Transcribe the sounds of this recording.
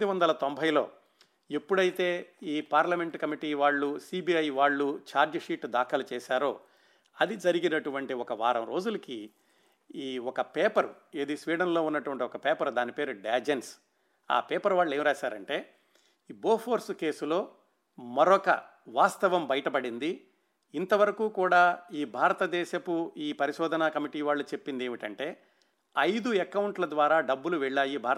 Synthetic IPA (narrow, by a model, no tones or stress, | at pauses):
uʋɐnd̪ɐlɐt̪ombʱɐjlo̞̰ː | epːuɽɐjit̪e̞ːiːpaːɾlɐme̞ɳʈkɐmiʈiːʋaːɭːusiːbiːɐjʋaːɭːut͡ʃaːɾd͡ʒɐʂiːʈd̪aːkʰɐlut͡ʃɛːʃaːɾoː | ɐd̪id͡ʒɐɾiɡinɐʈuʋɐɳʈiɔkɐʋa̰ːɾɐ̰mɾo̞ːd͡ʒulɐki | iːɔkɐpeːpɐɾue̞ːd̪iːsʋiːɖɐnlo̞ːunːɐʈuʋɐɳʈiɔkɐpeːpɐɾd̪aːnipeːɾuɖaːd͡ʒens | a̰ːpeːpɐɾʋaːɭːeːmɾaːʃaːɾɐɳʈe̞ː | boːpʰoːɾske̞ːsulo̞ː | mɐɾɔkɐ̰ | ʋaːst̪ɐʋɐmbɐjɐʈɐpɐɽind̪i | int̪ɐʋɐɾɐkuːkuːɽaːiːbʱaːɾɐt̪ɐd̪ɛːʃɐkuiːpɐɾiʃɔːd̪ʱɐnakɐmiʈiːʋaːɭːut͡ʃe̞pːind̪eːʋiʈɐɳʈe̞ː | ɐjd̪uɛkɐwuɳʈlɐd̪ʋaːɾaːɖɐbːuluʋɛɭːaːjibʱaːɾ